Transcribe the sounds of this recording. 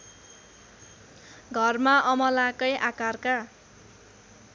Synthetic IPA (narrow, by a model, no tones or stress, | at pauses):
ɡʱʌrmaʔʌmʌlakʌjʔakarka